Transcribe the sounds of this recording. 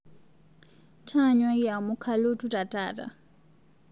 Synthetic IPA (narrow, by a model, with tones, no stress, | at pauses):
tʰa˦ɲwa˦ija˨mʊ˦kʰa˦lo˦tʼutʼa˨tʼa̰ːtʼa̰˨